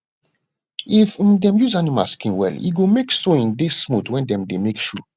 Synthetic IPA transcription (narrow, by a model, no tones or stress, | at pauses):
ifdɛ̃mjuzanima̰skĩnwɛ̰lḭɡomeksoĩndismutwɛ̃ndɛ̃mdemekʃu